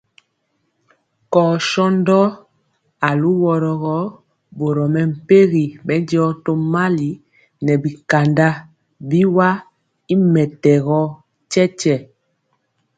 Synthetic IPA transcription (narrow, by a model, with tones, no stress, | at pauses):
kɔː˨ʃɔ˦ndɔ˦ | a˨lu˦wɔ˨ɾɔ˨ɣɔ˦ | bo˨ɾɔ˨mɛ˨m̩˨pe˦ɣi˨bɛ˦ndɔ˦to˦ma˦li˨ | nɛ˨bi˨ka˨nda˦ | bi˦wa˦ | i˦mɛ˨tɛ˨ɣɔ˦ | t͡ʃɛ˦t͡ʃɛ˨